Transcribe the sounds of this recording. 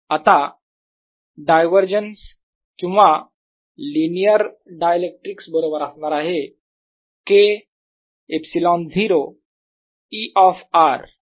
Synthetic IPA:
at̪a | ɖajʋəɾd͡ʑəns | kĩw̃ʋa | linijəɾ | ɖajəlek̚ʈɾiksbəɾobəɾasɳaɾaɦe | ke | epsilɔnd̪ʱiɾo | iʔɔfaɾ

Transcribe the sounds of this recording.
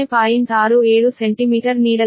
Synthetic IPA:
jpaːjint̪aːɾueːɽuseɳʈimiːʈɐɾniːɽɐ

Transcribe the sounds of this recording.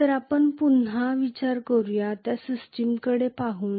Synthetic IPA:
t̪əɾapəɳpunɦaʋit͡ɕaɾkəɾjat̪jasisʈimkəɽepaɦuːn

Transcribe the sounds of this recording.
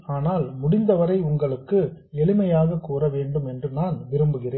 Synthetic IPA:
aːnaːlmʊɽɪnd̪ɐʋɐɾɐɪʊŋɡɐɭɯkːɯ | ɛɭɪmɐjaːɣɐkːuːɾɐʋeːɳɖɯmɛndrɯnaːnʋɪɾɯmbɯɣɪreːn

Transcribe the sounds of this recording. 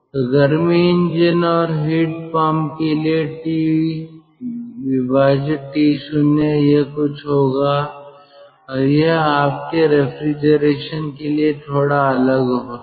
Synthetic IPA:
ɡəɾmiɪ̃nd͡ʒənɔːɾɦiːʈpaːmkelieʈi | ʋɪbaːd͡ʒʈiːsʊnejeɦkʊt͡ʃʰɦoːɡaː | ɾjeɦaːp̚keɾepʰɾid͡ʒəɾeːʃənkeliet̪ʰoːɽaɐləɡɦo

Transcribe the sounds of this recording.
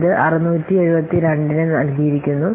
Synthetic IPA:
ðɨʔɐrɐnuːtːie̞ɻubɐt̪ːiɾeɳɖinɨnɐlɡijɾikʲːunːu

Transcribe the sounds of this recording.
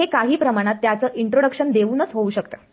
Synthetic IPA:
ekaɦiːpɾəmaɽ̃at̪ːjat͡səːʔiɳʈɾoɽəkɕənd̪eʋuːnət͡sɦouːɕəkt̪əː

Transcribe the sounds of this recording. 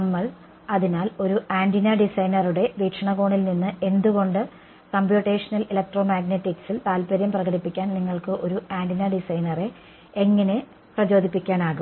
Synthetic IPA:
nɐmːɐɭ | ɐðinaːlo̞ɾuʔaːndinɐɖisɐjnɐruɽe̞ʋiːʈʂɐɳɐɣo̞ːɳilninːɨʔe̞nd̪uɣo̞ɳɖɨ | kɐmpjuːʈːe̞ːʂɐnɐlilɐk̚ʈro̞maːɡneʈːiksilt̪aːlpɐɾjɐmprɐɣɐɽipːikʲːaːnniŋːɐɭkɨʔo̞ɾuʔaːndinɐɖisɐjnɐre̞ | eŋːɐne̞ | prɐt͡ɕo̞ːd̪ʱipːikʲːaːnaːɣu

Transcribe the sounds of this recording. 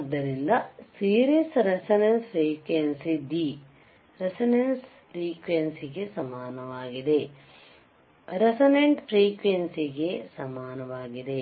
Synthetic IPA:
ɐd̪ːɐɾind̪ɐsiːɾisɾesɐnɐnspɾiːkʋensid̪i | ɾesɐnens | fɾiːkʋensiɡesɐmaːnɐʋaːɡid̪e | ɾesɐneɳʈfɾiːkʋensiɡesɐmaːnɐʋaːɡid̪e̞

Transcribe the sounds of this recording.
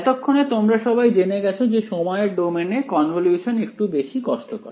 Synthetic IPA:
t̪okʰːonet̪omɾaʃɔbajd͡ʑeneɡɛt͡ɕʰod͡ʑeʃɔmɔeeɾɖomenekɔnʋoljuʃonek̚ʈubeʃikɔʃʈokɔ̰ɾ

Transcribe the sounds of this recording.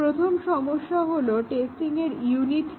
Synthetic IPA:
ɾot̪ʰomʃɔmoʃːaɦoloʈesʈiŋeɾjuniʈ

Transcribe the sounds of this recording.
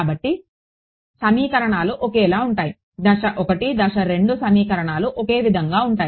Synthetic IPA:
bɐʈːi | sɐmiːkɐɾɐɳaːluʔokeːlaːuɳʈaːji | d̪ɐʂɐʔɔkɐʈid̪ɐʂɐɾe̞ɳɖusɐmiːkɐɾɐɳaːluʔɔke̞ːʋid̪ʱɐŋɡaːuɳʈaːj

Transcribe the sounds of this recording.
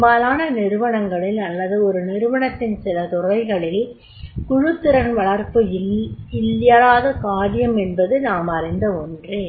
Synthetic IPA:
mbaːlaːnɐnɪɾɯʋɐɳɐŋɡɐɭɪlɐlːɐðɯɔɾɯnɪɾɯʋɐɳɐt̪ːɪnsɪlɐt̪ʊrɐɪɣɐɭɪl | kʊɻɯt̪ːɪɾɐnʋɐɭɐɾpɯ | ɪljaɾaːðɐkaːɽɪjɐmɛnbɐðɯnaːmɐrɪnd̪ɐɔndreːn

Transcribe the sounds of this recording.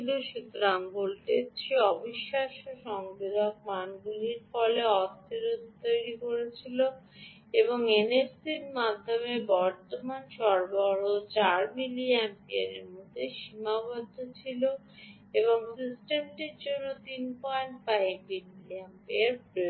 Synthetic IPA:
iloʃut̪ːɾaŋbolʈeʃeɔbiʃːaʃoʃɔŋbid̪ʱak̚manɡuliɾfɔleɔst̪ʰiɾud̪ʱt̪ojɾikoɾet͡ɕʰilo | eboŋenefsiɾmad̪ʱːomebɔɾt̪omanʃɔɾbɔɾot͡ɕaɾmiliampeaɾḛɾmod̪ʱːeʃimabɔd̪ʱːot͡ɕʰilo | eβoŋsisʈemʈeɾd͡ʑonːot̪inpɔjɳʈfajbːinmiliampeaɾpɾo

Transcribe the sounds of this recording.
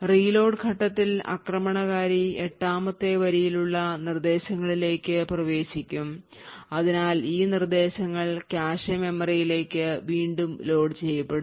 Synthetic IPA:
riːlo̞ːɖɡʱɐʈːɐt̪ːilɐ̰krɐmɐɳɐɣaːɾieʈːaːmɐt̪ːe̞ʋɐɾijiluɭːɐnird̪e̞ːɕɐŋːɐɭile̞ːkːɨprɐʋe̞ːɕikʲːum | ɐðinaːliːnird̪e̞ːɕɐŋːɐɭkaːɕɐme̞mːɐrɐjile̞ːkːɨʋiːɳɖumlo̞ːɖt͡ɕe̞jːɐpːeɽu

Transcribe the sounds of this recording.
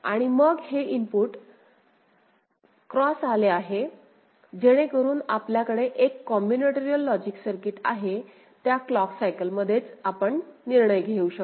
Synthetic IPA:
a̰ɽ̃iməɡheimpuʈ | kɾɔsaleaɦe | d͡ʑeɽ̃ekəɾuːnapljakəɽeʔekːɔmjuneʈeɾiəlːɔd͡ʑiksəɾkiʈaɦe | t̪jaklɔksajkəlməd̪ʱːjet͡sapəɳniɾɳəjɡʱeuɕək

